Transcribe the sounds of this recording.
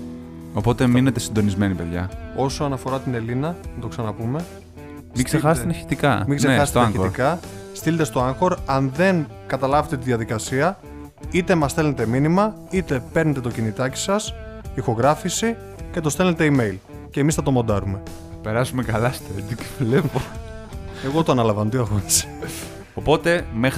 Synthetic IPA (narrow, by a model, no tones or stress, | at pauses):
o̞po̞t̪eminet̪e̞sind̪o̞nizme̞nipeðʝɐ̰o̞soɐnɐfo̞ɾɐt̪ine̞linɐnɐt̪o̞ksɐnɐpume̞ | miɡsexɐst̪nɐɾçi̥t̪ikɐmiŋɡsseeɐst̪oɐŋeotiɾkɐst̪ilet̪est̪o̞ɐŋxo̞ɾɐnðe̞n | kɐt̪ɐlɐvet̪e̞t̪iðijɐðikɐsiɐ | it̪e̞mɐst̪e̞lne̞t̪e̞minimɐ | it̪e̞pe̞ɾne̞t̪e̞t̪o̞cinit̪ɐci̥sɐsixo̞ɣɾɐfisi | ce̞t̪o̞st̪elnet̪e̞ime̞jl | ce̞ːmisθɐt̪omo̞nd̪ɐɾume̞ | pe̞ɾɐsumekɐlɐst̪et̪iklepo | eɣo̞t̪oɐnɐlɐvɐnot̪iɐɣonise̥ | opo̞t̪e̞mex